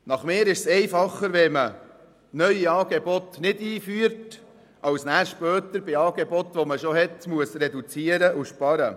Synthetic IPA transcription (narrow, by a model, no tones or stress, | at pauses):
nɑχmeːɾɪʃsɛɪfɑχːəɾʋɛmə | nœʏiɑːɡ̥ebɔt̪nɪdiːfyːəɾt | ʔɑwsnæːɾʃpœːt̪əɾbɪɑːɡebɔt̪ʋoməʃoɦɛtmuəsɾɛdut͡siəɾəʔʊʃpɑɾə